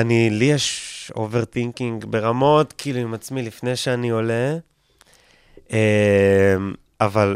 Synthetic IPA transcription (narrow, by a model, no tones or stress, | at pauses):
anilijeʃo̞̰ve̞ʁt̪iŋkiŋɡbe̞ʁamo̞tkiːluimat͡smilifne̞jʃeanio̞le | e | m | aval